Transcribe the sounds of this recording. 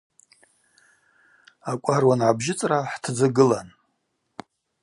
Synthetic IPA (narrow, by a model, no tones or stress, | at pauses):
akʷʼarwanʕabʒɪt͡sʼraħtʰd͡zɨɡɨlan